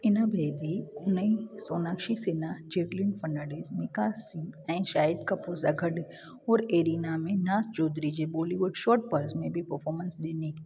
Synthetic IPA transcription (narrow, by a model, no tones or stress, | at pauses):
ɪnabʱeːd̪iʊnəisoːnaːkʃisɪnad͡ʒeːʈlinfɐɳːaːɖezmɪ̃kasiɛ̃ʃaːɪd̪kapoːsaɡʱɐɖ | ɔːɾeːɾiːnamẽnaːst͡ʃoːd̪ɾid͡ʒeboːliʋʊɖʃɔːɾʈ̚pɐɾsmẽbʱipəɾfʰɔːɾmənsleːni